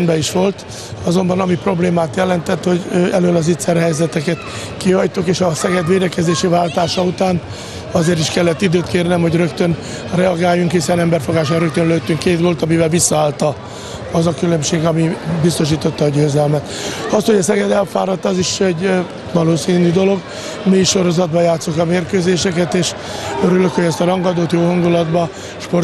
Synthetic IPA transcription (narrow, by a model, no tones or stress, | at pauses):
nbɛiʃʋo̞lt̪ | ɒzo̞mbɒnɒmipro̞bleːmaːt̪jɛlɛnt̪ɛt̪ho̞ɟøʔɛløːlɒzit̪sɛɾɦɛjzɛt̪ɛkɛt̪ | kiɦɒjt̪ukeːʃɒsɛɡɛd̪ʋeːd̪ɛkɛzeːʃivaːlt̪aːʃɒut̪aːn | ɒzeːɾiʃkɛlːɛt̪ːid̪øːt̪keːrnɛmho̞ɟrø̞kt̪øn | rɛɒɡaːjːuŋkhisɛnɛmbɛrfo̞ɡaːʃaɾø̞k̚t̪ønløːt̪ːyŋkːeːt̪ɡo̞lt̪ɒmivɛlvisːɒaːlt̪ɒ | ɒzɒkylømʃeːɡɒmibist̪o̞ʃiːt̪o̞t̪ːɒːɟøːzɛlmɛt̪ɒst̪ho̞ɟɒsɛɡɛd̪ɛlfaːɾɒt̪ːɒziʃɛɟ | vɒloːsiːnyd̪o̞lo̞ɡ | myjʃo̞ɾo̞zɒd̪bɒjaːt̪sokɒmeːrkøːzeːʃɛkɛt̪eːʃ | øɾyløkho̞ɟɛst̪ɒɾɒŋɡɒd̪oːt̪joːɦɒŋɡulɒd̪bɒ | ʃpo̞r